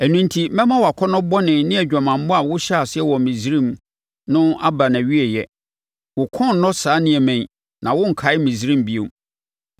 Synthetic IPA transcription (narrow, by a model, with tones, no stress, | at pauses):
æ˨nũ˦ntʰi˨mɛ̃˦mã˦wɔ˨a˨kʰɔ˦nʊ̃˦bɔ˦nɪ̃˨nɪ̃˦æ˨d͡ʑᶣa˨mã˨m̩˦bʊ̃˦a˨wʊ˦ɕɛ˦a˨sɪ˦ɛ˦wɔ˨mĩ˨zi˦ɾĩ˦m | nʊ̃˦a˦bɾa˨næ˨ɥi˦ɛ˨jɛ̰˨ | wʊ˨kʰɔ̃˦˨n˨˦nɔ̃˦saː˨˦nɪ̃˨æ˨mæ̃˨ɲ˨ | nã˨wʊ̃˦ŋ̩˨kʰa˨˦ɪ˦mĩ˨zi˦ɾĩ˦m˨bi˦o̰˨m